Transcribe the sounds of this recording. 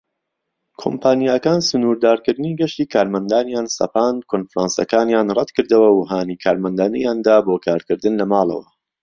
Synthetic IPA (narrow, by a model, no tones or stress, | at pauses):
kʰo̰mpʰaːnijakaːnsʊnuːɾd̪aːɾkɨɾd̪ɨniːɡɐʃt̪iːkʰaːɾmɐnd̪aːnjaːnsɐ̰paːnkʰonfɾaːnsɐ̰kaːnjaːnrˤɐd̪kʰɨɾd̪ɐwɐwuɦaːnikʰaːɾmɐnd̪aːnɐjaːnd̪aːboːkʰaːɾkɨɾd̪ɨnlɐmaːlˠɐ̰wɐ̰